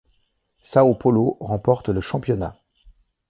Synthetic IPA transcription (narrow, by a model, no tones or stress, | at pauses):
saopɔloʁɑ̃pɔʁt̪ləʃɑ̃pjɔna̰